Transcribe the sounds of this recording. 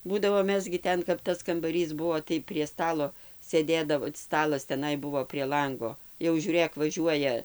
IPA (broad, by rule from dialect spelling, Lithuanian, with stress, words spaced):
ˈbuːdɐʋoː ˈmʲɛs ɡʲɪ ˈtʲɛn kɐp ˈtɐs kɐmbɐˈrʲiːs ˈbuɔ tɐɪ pʲrʲiɛ ˈstɑːlˠoː sʲeːˈdʲeːdɐʋoː ˈstɑːlˠɐs tʲɛˈnɐɪ ˈbʊʋoː pʲrʲiɛ ˈlˠɐŋɡoː jɛʊ ˈʒʲuːrʲeːk ʋɐˈʒʲuɔjɛ